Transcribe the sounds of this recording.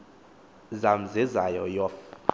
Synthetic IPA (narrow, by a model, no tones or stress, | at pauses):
zam̩zizajɔjɔf